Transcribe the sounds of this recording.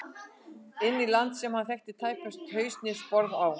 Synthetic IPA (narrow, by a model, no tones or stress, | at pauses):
ɪnːilant̪sɛmhanθɛht̪ɪt̪ʰaːjkast̪hœːɥst̪nɪspɔɾðaw